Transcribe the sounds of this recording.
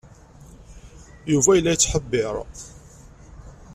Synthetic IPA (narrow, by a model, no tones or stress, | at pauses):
juvæjəlːæjt͡sːħəbːɪɾˤ